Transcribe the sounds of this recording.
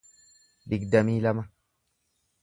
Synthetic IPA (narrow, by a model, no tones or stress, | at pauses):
biɡdamiːlama